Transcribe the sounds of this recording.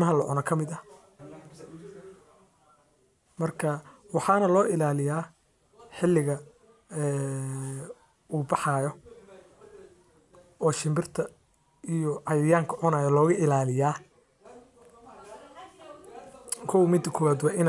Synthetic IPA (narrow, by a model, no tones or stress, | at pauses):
mɐɦɐlɐʕʊnɐkʰɐmɪd̪ɐ | mɐrkʰɐwɑħɑːnɐlɔːʔɪlaːlɪjaː | ħɪlːɪɣɐ | ɛː | uːbɑħɑːjɔ | ɔːʃɪmbɪrt̪ʰɐ | ijɔʔɐjɪjaːŋkʰɐʕʊnaːjɔlɔːɣɐʔɪlaːlɪjaː | kʰɔwmɪd̪ɐkʰɔwaːd̪wɑːɪn